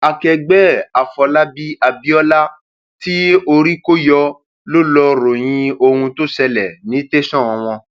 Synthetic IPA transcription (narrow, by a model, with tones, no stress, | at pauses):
a˨kɛ˨ɡ͡bɛ˦a˨fɔ˨la˦bi˦a˨bi˦ɔ˦la˦ | ti˦o˧ɾi˦ko˦jɔ˧ | lo˦lɔ˧ɾo˨j̃ĩ˧o˧hũ˧to˦sɛ˧lɛ˨nĩ˨˦te˦sɔ̃˦˨ɔ̃˨w̃ɔ̃˧